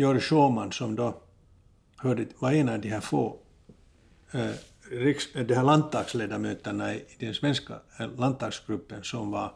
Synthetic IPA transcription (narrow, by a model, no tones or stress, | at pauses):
jɔɾʂoːmɑnsɔmd̪o | hœːɖəvɑɾeːnɑʋd̪ɪhæːfoː | ɾɪksd̪ɛhæːɭandt̪ɑːɡ̥sleːd̪amøːt̪əɳɑɪːd̪ɛnsvɛnska̰lant̪ɑːɡsɡ̥ɾɵpːənsɔmvɑ